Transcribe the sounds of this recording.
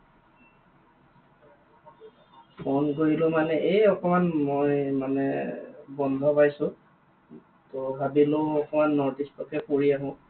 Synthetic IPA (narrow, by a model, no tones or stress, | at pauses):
pʰɔnɡojilʊmanɛʔejɔkɔmanmojmanɛ̰bɔnd̪ʱɔpajsʊ̃ | tɔbʱabiloɔkɔmanːɔɹdistɔkɛkoɹiaɦʊ̃